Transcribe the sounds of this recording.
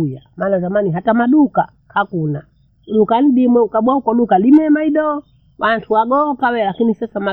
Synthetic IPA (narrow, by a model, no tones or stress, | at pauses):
jamaːnazamaniɦatamaɗuka | hakuna | lukaniɗimwɛukaɓwaukɔlukalimɛmaiɗɔ | wʔantʰuwaɡɔkawɛlakinisasama